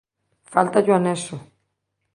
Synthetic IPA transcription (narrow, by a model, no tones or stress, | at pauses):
falt̪aʎoaneso